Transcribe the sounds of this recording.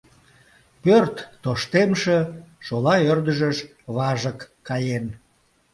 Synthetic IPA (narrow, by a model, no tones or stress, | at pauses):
pørt̪ːoʃt̪emʃeʃolɑørd̪əʒəʃ | βɑʒəkːɑjen